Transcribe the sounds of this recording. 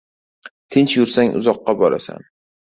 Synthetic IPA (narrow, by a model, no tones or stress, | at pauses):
t̪ʰɪnt͡ʃjʊɾsaŋʔʊ̰zɒqːɑbɒɾa̰sa̰n